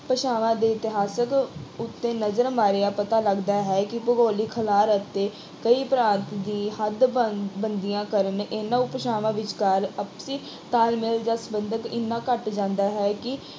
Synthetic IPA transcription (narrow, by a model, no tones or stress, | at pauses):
pəʃaːʋãːd̪eːɪt̪ɪɦaːsəkʊt̪ːeːnəzəɾmaːɾeːaːpət̪aːləɡd̪aːɦɛːkɪpəɡoːliːkʰəlaːɾət̪ːeː | kəiːpɾãːnt̪d̪ĩːhəd̪bənd̪ijãːkəɾənʔeːnːãːʊpəʃaːʋãːʋɪt͡ʃkəɾəpsiː | t̪aːlmɪld͡ʒãːsəbənd̪əkɪ̰nːãːkəʈd͡ʒãːnd̪aːɦɛːkɪ